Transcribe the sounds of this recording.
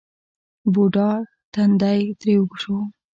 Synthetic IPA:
boɖɑɾ | t̪and̪ajt̪ɾewɡuʂo

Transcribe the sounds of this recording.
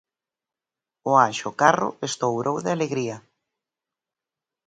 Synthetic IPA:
ʊaʃʊkarʊ̰est̪owɾowðɪaleɣɾiɐ

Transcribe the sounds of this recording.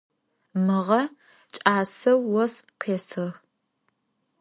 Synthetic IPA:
mɨʁɐ | t͡ʃʼaːsɐwːɔsqʰeːsɨx

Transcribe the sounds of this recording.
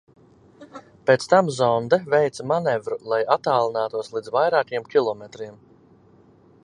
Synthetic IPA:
pet̪st̪amzɔnd̪vɛjt̪smanɛvɾulˠajat̪ːaːlˠinaːt̪uɔslˠid̪zvajɾaːkiɛmkʲilˠɔmet̪ɾim

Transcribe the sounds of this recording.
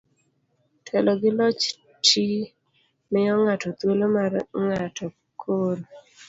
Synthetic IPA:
tʰɛlɔɡɪlɔt͡ʃ | tʰi | mɪɔŋatɔt̪welomarŋatɔ | kʰol

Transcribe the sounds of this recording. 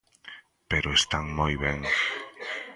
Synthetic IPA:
peɾoest̪aŋmojβeŋ

